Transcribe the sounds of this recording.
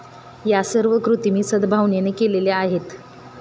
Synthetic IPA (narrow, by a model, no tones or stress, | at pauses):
jasəɾʋəkɾut̪imiːsəd̪bʱaʋɳjenekeleleaɦet̪